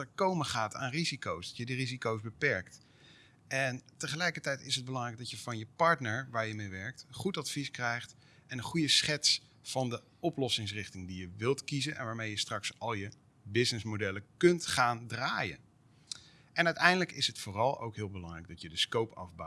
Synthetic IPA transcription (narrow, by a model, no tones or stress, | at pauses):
əɹkowməχaːta̰ːnrizikowsdɑtjədirizikowzbəpɛɹkt | ʔɛntəχəlɛjkəɹtɛjtɪsɦəd̚bəlɑŋrɛjɡ̚dɑtjəvɑnjəpɑɹtnəɹʋaːɹjəmejʋɛɹk̚tənχutɑtfiskrɛjχt | ʔɛnənχujəsχɛts | fɑndə | ɔplɔsɪŋs̬rɪχtɪŋdijəʋɪlˠtkizənʔɛ̰nʋaːɹmejəstrɑksɑlˠjə | bɪsnɪsmodɛləkɵntχaːndraːjə̰n | ʔɛnœɥtɛjndələkɪsɦətfʊːrɑlˠo̰wkɦɪːlˠbəlɑŋrɛjɡ̚dɑtjədəskowpɑ̰vba